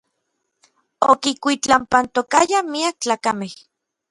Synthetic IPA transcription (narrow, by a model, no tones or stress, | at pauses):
okikʷit͡ɬampant̪okajamiak̚t͡ɬaːkameh